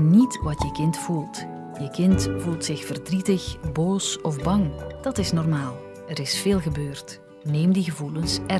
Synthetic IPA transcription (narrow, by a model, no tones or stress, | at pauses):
nitʋɑtjəkɪntfulˠt | jəkɪntfulˠtsɪxfərdritəxboːsɔvbɑŋd̥ɑtɪsnɔrmaːlˠ | ɛɾɪsfeːlˠɣəbøːrt | neːmdiɣəvulənsɛ